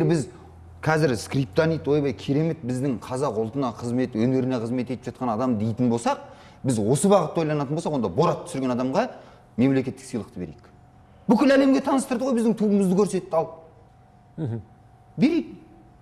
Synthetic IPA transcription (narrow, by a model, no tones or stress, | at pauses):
eɾbɪz | qʰɑzɪɾskrijp̚t̪anijt̪wojbɑjkʲʰiɾe̞me̞t̪̚bɪzd̪ɪŋqʰɑzɑqʊlˠt̪ənɑqʰəzme̞t̪wɵne̞ɾɪneqʰəzme̞t̪et̪ɪpʒɑt̪̚qɑnɑd̪ɑmd̪e̞jt̪ɪnbo̞lˠsɑq̚ | bɪzwo̞səbɑʁət̪ːɑwojlˠɑnɑt̪ənbosɑqwond̪ɑboɾɑt̪ʰːʏ̥sɪɾɡʲe̞nɑd̪ɑmʁɑ | me̞mle̞kʲe̞t̪ːɪksijlˠəq̚t̪əbe̞ɾek | b̥ʏkʲɪlæle̞mɡʲe̞t̪ʰɑnəst̪əɾd̪əʁojbɪzd̪ɪŋt̪ʰuəməzd̪ɪkʲʰɵɾse̞t̪ːɪɑlˠ | be̞ɾejd̪ɪ